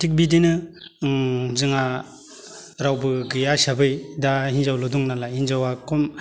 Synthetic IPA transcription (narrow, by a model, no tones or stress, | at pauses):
tʰik̚bidinɯ | zɯŋa | ɾawbɯɡɯjasabɯjdahinzawlɔduŋnalahinzawakʰɔm